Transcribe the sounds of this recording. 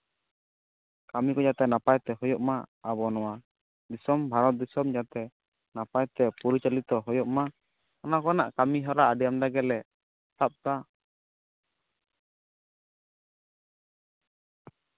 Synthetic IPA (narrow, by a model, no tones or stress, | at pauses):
kamikɔjat̪ɛnapajt̪ɛɦɔjɔʔmaːβɔnɔwa | d̪isɔmbʱaɾɔt̪̚d̪isɔmd͡ʒat̪ɛ | napajt̪ɛpɔɾit͡ʃalit̪ɔɦɔjɔʔma | ɔnakɔna̰ʔkamiɦɔɾaːɖɛjamd̪aɡɛlɛ | sap̚t̪a